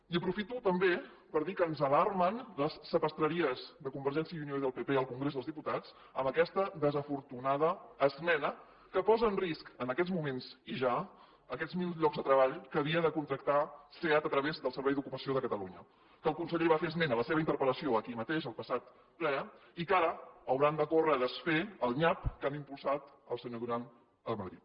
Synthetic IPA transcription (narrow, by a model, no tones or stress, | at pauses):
iəpɾufit̪ut̪əmbe | pəɾðikəːnzəlarmənləsːəpəst̪ɾəɾiəzðəkumbəɾʒɛnsiəiunioiðəlˠpepeəlˠkuŋɡɾezðəlzðiput̪at͡s | əmbəkɛst̪əðəzəfuɾt̪unað̞əːzmɛnə | kəpɔzəːnriskənəkɛd͡zmumenziʒa | əkɛd͡zmilzʎɔɡzðət̪ɾəβaʎkəβiəðəkunt̪ɾək̚t̪aseat̪ət̪ɾəβezðəlˠsəɾβɛjðukupəsioðəkət̪əluɲə | kəlˠkunsəʎeβafeəzmenələseβəint̪əɾpələsioəkimət̪eʃəlˠpəsat̪̚ | plɛikaɾəəwɾand̪əkorəðəsfeəlˠɲapkanimpulˠsat̪əlˠsəɲoðuɾan | əlˠməðɾit̪̚